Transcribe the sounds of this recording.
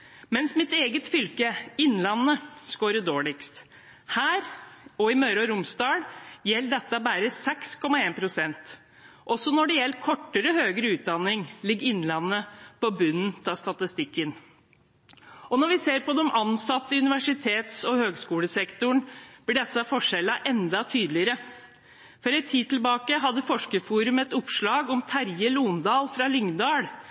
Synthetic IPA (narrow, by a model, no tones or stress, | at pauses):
mɛnsmɪt̪eːɡət̪fʏlkəɪnːlɑnːəskoːɾəɖ̪oːɭɪkst̪ | hæːɾɔɪmœɾɔɾʊmsd̪ɑːɽjɛlːɖ̪ɛt̪ːəbæːɾəsɛkskʰɔmːɑeːnpʰɾʊsɛnt̪ | ʔɔsːɔnɔɖɛjɛlkʰɔʈːəɾəhøːɡɾəʉːt̪̚d̪ɑnːɪŋlɪɡːɾɪnːlɑnːəpɔbʉnn̩t̪ʰɑst̪ɑt̪ɪst̪ɪkːən | ɔnɔʋɪseːɾpɔd̪ɔmɑnsɑt̪ːəʉnɪʋæʂɪt̪ʰeːt̪sɔhøːɡskuːləsɛkt̪ʊɳb̥lɪɖɛsːɑfɔʂɛlːɑʔɛnd̪ɑt̪ʰyːd̪lɪəɾə | fɔɾɛɪt̪ʰiːd̪̚t̪ʰɪlbɑːkəɦɑd̪ːəfɔʂkəfuːɾʉmɛt̪ʊpʂɭɑːɡɔmt̪ʰæɾjəluːnd̪ɑːlfɾɑlʏŋd̪ɑːɽ